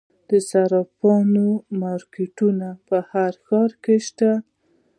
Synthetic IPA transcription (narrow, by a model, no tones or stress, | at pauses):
d̪̥əsaɾɑpɑnomɑɾkeʈunapəhaɾxɑɾkeʃt̪a